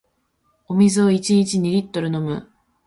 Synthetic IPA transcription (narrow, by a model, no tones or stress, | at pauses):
omʲizɨoit͡ɕiɲ̟it͡ɕiɲ̟iɾʲit̪ːo̞ɾɯ̟no̞mɯ̟̰